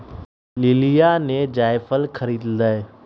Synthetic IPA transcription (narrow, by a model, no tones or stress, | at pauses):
lɪlijanẽd͡ʒaːjfəlkʰəɾiːd̪d̪ae